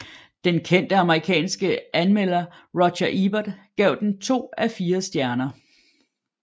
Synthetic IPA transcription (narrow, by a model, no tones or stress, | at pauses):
d̥enkʰen̰d̥əɑ̈məʁikʰɛ̰ːnsɡ̥əʔænmel̰ɐʁɒ̥ɕɐʔib̥ɐd̥ɡ̥ɛʊd̥ent͡sʰo̝̰ːæfiːɐsd̥jæɐnɐ